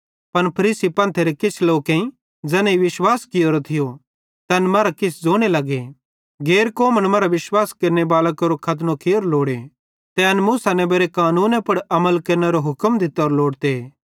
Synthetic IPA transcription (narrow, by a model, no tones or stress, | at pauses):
pɐnpʰɐɾiːsipɐ̃ːnt̪ʰeɾɛkɪt͡ʃʰloːkẽĩ | d͡zɛːnẽiʋɪʃwaːskɪjoɾot̪ʰɪjo | t̪ɛnmɐːɾakɪsʰd͡zoːɽ̃elɐɡe | ɡeːɾkoːməɽmɐːɾaʋɪʃwaːskɐɾnebaːlakɐɾokʰɐt̪̬nokʰeoɾloːɽe | t̪ɛɐnmuːsanɛ̃beːɾekaːnuːnãpɐɽɐməlkɐɾneɾoɦʊkəmd̪ʱɪt̪ːɾloːɽt̪e